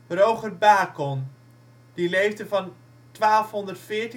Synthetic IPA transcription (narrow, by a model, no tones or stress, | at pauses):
rowχərbaːkɔn | d̥ilejvdəvɑn | tʋaːlˠfɦɔndərtfɪːɹti